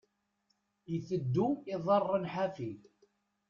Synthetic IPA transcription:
jəθəd̪ːuiðˤərˤːənħafid

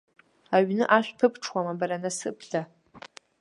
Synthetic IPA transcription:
aɥnɨʔaʃʷᶣpʰɨpʰʈ͡ʂʰwamabaɾanasɨ̰pʰɬa

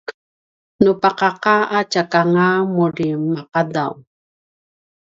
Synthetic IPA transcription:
nupaqaqaat͡ʃakaŋamuɾimaqada̰w

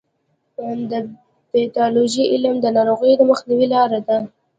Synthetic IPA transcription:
d̪ə | b̪et̪ɑloʒiʔɪlmd̪ənɑɾoɣəjd̪əməxniwilɑɾad̪a

